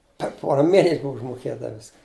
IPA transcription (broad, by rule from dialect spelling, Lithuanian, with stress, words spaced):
pʲɛr ˈpoːrɐ ˈmʲeːnʲɛsʲ ˈbʊw ʊʒmoːˈkʲeːtɐ ˈʋʲɪskɐ